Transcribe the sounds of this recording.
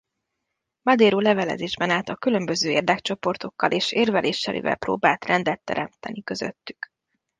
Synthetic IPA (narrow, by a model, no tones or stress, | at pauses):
mɒd̪eːɾoːlɛvɛlɛ̰zeːʒbɛnaːlt̪ɒkylø̞mbøzøːeːrd̪ɛkt͡ʃo̞po̞rt̪o̞kːɒlʔeːʃeːrvɛlʔeːʃːɛlʔḭvɛ̰lpro̰ːbaːlt̪rɛnd̪ɛt̪ːɛ̰ɾɛmt̪ɛnikøzø̰t̪ːy̥k